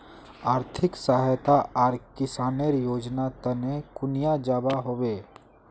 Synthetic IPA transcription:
aːɾt̪ʰɪksaːɦt̪aaːɾkɪsaːneɾjoːd͡ʒnat̪ənekʊnijad͡ʒaːbaɦoːweː

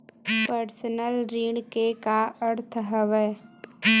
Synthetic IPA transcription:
pəɾsənəlɾiːɽkekaʔəɾt̪ʰɦəʋɛ

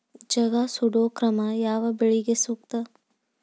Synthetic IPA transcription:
d͡ʒɐɡasuɖokɾɐmajaːʋabɪɭiɡesuk̚t̪ə

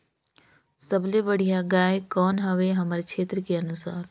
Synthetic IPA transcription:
səblebəɽ̤ijaɡaːjkɔːnɦɐʋeɦɐməɾekʃʰeːt̪ɾəkeɐnʊsaːɾ

